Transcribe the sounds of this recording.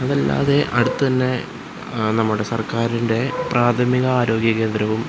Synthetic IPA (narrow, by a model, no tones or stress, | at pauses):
ɐðɐlːa̰ːðe̞ʔɐɽut̪ːɨt̪ɐnːe̞ | nɐmːuɽe̞sɐrkaːɾinde̞prʔaːt̪ʰɐmiɣɐaːɾo̞ːɡjɐɣe̞ːnd̪ɾɐʋum